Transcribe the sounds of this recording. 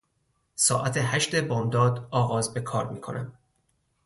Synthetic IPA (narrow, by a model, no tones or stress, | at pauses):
sɒ̰ːʔæt̪ʰe̞hæʃt̪e̞bɒːmd̪ɒːd̪ɒːɣɒːzbe̞kʰɒːɾmiːkʰo̞nʔæm